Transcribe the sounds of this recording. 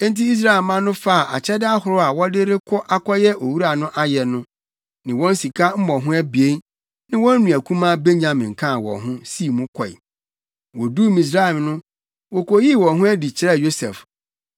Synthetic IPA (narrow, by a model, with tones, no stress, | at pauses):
ɛ̃˦n˦ti˦i˦s̬ɾa˦ɛ˨lmã˦nʊ̃˦fa˦˨a˨ʔa̰˨t͡ɕʰɛ˦dɪ˦a˦hʊ˨ɾʊ˦a˨wɔ˦dɪ˦ɾɪ˦kʰɔ˦ʔa˦kʰɔ˦jɛ˦ʔo˨wu˦ɾa˨nʊ̃˦ʔa˦jɛ˨nʊ̃˦ | nɪ̃˨wɔ̃˦n̩˦si˨kʰa˦m̩˦mɔ̃˨ɦʊ̃˦æ˦bi˨e˦ | nɪ̃˦wɔ̃˦n̩˦nũ˨æ˨kʰũ˦mã˦be˦ɲã˨mɪ̃˨ŋ̩˨kʰã˦˨wɔ̰̃˨ɦʊ̃˦si˦˨mũ˦kʷʰɔ˨ḭ˨ | wɔ˨du˦mĩ˨s̬ɾa˦˨mnʊ̃˦ | wɔ˨kʰɔ˨ji˦˨wɔ̃˨nɦʊ̃˦æ˦di˨t͡ɕʰɪ˦ɾɛ˦˨jo˦sɛ˨f